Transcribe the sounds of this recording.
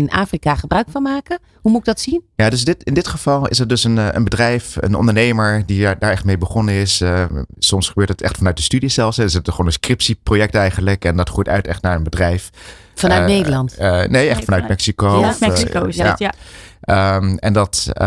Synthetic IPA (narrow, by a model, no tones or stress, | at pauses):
na̰ːfrikaχəbrœɥkfɑnmaːkə | ɦumuɪɡ̚dɑtsinjaːdɵsdɪtɪndɪtχəv̥ɑlˠɪ̰sədɵsənə̰nbədrɛjfə̰nɔ̰ndəɹnejməɹdidaːɹɛχtmejbəχɔnəɪs | sɔmsχəbøːtətɛ̰χtfɑnœɥt̚dəstydiz̥ɛlˠfsɦɛdsətəχonənskrɪpsiprojɛk̚tɛjχənləkɛndɑtχujtœ̰ɥtɛ̰χtnaːɹənbədrɛjf | fɑnœtnejdəlɑntnejɛχfɑnœɥt̚mɛksikoɔfmɛsikosa̰ | əmɛndɑt